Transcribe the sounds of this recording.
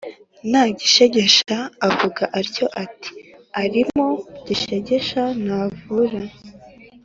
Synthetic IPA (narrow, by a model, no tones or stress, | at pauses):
naːɟiʃe̞ɟe̞ʃaːvuɡaʔaɾco̞ʔati̥aɾimoɟiʃe̞ɟe̞ʃanavuɾa